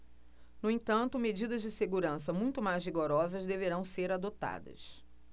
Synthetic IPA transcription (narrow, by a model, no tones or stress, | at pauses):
nʊẽt̪ɐ̃nt̪ʊmed͡ʒid̪ɐzd͡ʒɪseɡuɾɐ̃sɐmũj̃t̪ʊmajzviɡoɾɔzɐzd̪eveɾɐ̃w̃seɾad̪ot̪a̰d̪ɐ̰s